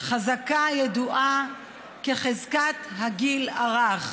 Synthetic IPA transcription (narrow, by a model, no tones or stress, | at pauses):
χazakajed̪uʔa | keχezkat̪haɡilaʁaχ